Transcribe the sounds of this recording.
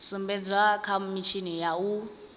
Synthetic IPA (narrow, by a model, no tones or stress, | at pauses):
sumbɛd͡zwakʰamit͡ʃʰinijau